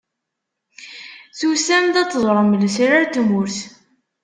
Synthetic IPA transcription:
θusæmd̪æt͡s̪ːəzˤɾˤəməlsɾaɾt̪mʊɾθ

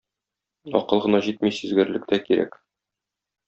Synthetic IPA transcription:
ɒ̰qɤ̆lˠʁɤ̆nɑʑit̪̚misɘ̆zɡɘ̆ɾlɘ̆k̚t̪ækiɾæ̰k

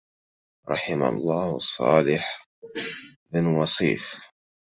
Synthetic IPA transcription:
ɾˤɑħɪma̰lˤːɑːhɑsˤːɑ̰ːlɪħ | mɪnwɑsˤḭːf

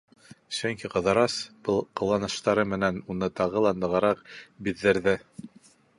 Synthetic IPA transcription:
sɵŋkiqɤ̆ðɑɾɑsb̥ɤlˠqɤ̆lˠːɑnɤ̆ʃt̪ɑɾɤmɘ̆nænunɤt̪ɑʁɤlˠɑnd̪ɤ̆ʁɑɾɑqbiðːɘ̆ɾðɘ

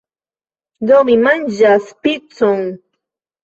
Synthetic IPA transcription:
ʎomɪmaŋʒaspɪt͡sʊŋ

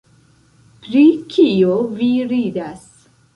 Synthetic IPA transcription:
pɾikʰioviɾidas

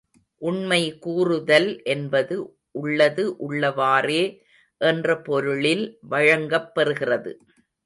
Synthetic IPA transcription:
ʔʊɳmɐɪkuːrɯðɐlʔɛnbɐðɯ | ʔʊɭːɐðɯʔʊɭːɐʋaːreː | ʔɛndrɐpɔɾɯɭɪlʋɐɻɐŋɡɐpːɛɾɯɣɪrɐðɯ̰

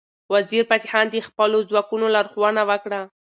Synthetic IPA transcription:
waziɾpat̪ɪhɑnd̪əxpəlozwɑkunolaɾxwɑnawəkɽa

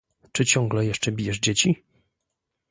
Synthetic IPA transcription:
t͡ʂɘt͡ɕɔ̃ŋɡlɛjɛʂt͡ʂɛbʲijɛʐd͡ʑet͡ɕi

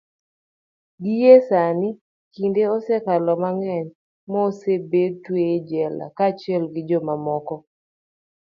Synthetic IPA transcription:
ɡijesanɪ | kindeosɛkalɔmaŋɛɲ | mɔsebed̚twed͡ʒɛla̰kat͡ʃɪɛlɡɪd͡ʒɔmamɔkɔ

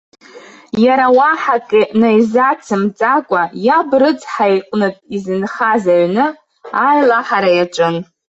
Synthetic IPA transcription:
jaɾawaħakʼinajzat͡sʰɨmt͡sʼakʷʼajabrɨd͡zħajqʼnɨtʼizɨnχazaʕnɨ | ajlaħaɾajat͡ʃʷʼɨn

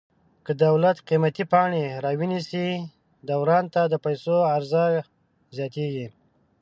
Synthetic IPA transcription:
kəd̪awlat̪qimat̪ipɑɳeɾɑwinisi | d̪awɾɑnt̪ad̪əpajsoaɾza | zjɑt̪eɡi

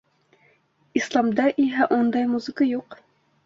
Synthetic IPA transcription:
islˠɑmd̪ɑʔiɦæʔund̪ɑjmuzɨ̆kɑjuq

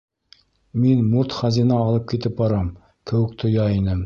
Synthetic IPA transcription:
menmuɾt̪χæzinɑːlˠɨp̚kʲʰet̪ʰɪp̚bɑɾɑm | kʲʰɵwɪk̚ʲt̪ʰojɑenɪm

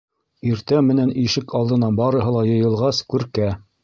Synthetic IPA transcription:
iɾt̪æmɘ̆næniʃɘkʰɑlˠd̪ɤ̆nɑbɑɾɤ̆ɦɤ̆lˠɑjɤ̆jɤ̆lˠʁɑskʉɾkæ

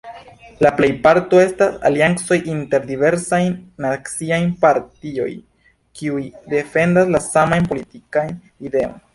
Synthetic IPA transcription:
laple̞jpaɾto̞e̞stasa̰lianso̞jʔinte̞ɾdive̞ɾsajnnakt͡siajnpaɾtio̞̰j | kiujde̞fe̞ndaslasamajnpo̞litikajn | ide̞o̞̰jn

